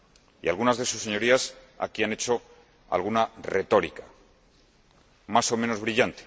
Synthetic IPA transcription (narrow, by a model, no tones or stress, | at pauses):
ialɣunazðe̞susːe̞ɲo̞ɾias | a̰kiane̞t͡ʃo̞ | a̰lɣunare̞t̪o̞ɾikḁ | maso̞mẽ̞no̞zβɾiʎant̪e̥